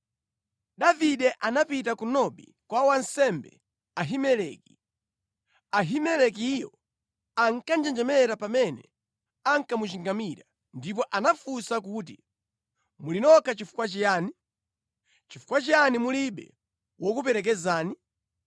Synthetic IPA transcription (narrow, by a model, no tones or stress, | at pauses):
ɗaviɗɛʔanapitakunɔɓḭ | kwawansɛmbɛ̰ | aɦimɛlɛːki̥ | aɦimɛlɛk̬ːjɔ | aŋkand͡ʒɛnd͡ʒɛmɛɾapamɛnɛ̰ | aŋ̩kamut͡ʃiŋɡamiɾa | ndip̬ɔʔanafusak̬uːt̬ḭ | mulinɔkat͡ʃifu̥kwat͡ʃɛjaːni | t͡ʃifu̥kwat͡ʃɛanimuliɓɛ̰ | wɔkupɛɾɛk̬ɛzaːni